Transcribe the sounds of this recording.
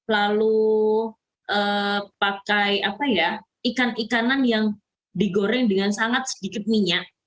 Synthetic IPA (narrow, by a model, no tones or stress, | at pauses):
lalu | ʔəːpakajapaja | ikanikananjaŋ | diɡoɾɛŋdəŋansaŋat̪̚sə̥dikɪt̪̚miɲat̪̚